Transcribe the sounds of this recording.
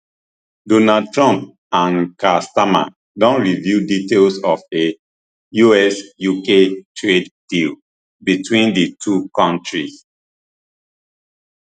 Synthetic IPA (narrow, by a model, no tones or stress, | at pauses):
dɔnad̚tɹɔ̃mp̚ | ãnkastama̰ | dɔ̃nɹivjuditelsɔfe | juɛsjuketʰɹeddil | bitwĩndətʰukɔ̃ntʰɹis